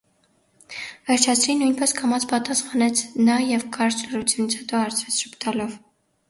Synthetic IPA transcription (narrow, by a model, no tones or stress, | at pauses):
vɛɾt͡ʃʰɑt͡sʰɾinujnpɛskʰɑmɑt͡sʰpɑt̪ɑsχɑnɛt͡sʰnɑjɛvkʰɑɾlərut͡sʰjunit͡sʰhɛt̪ɔɑɾt͡sʰvɛt͡sʰʃupt̪ɑlɔv